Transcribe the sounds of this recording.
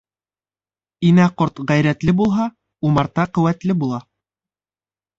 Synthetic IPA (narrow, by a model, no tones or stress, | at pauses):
inæqoɾt̪ʁæjɾæt̪lɘbulˠɦɑ | umɑɾt̪ɑqɵ̆wæt̪lɘbulˠɑ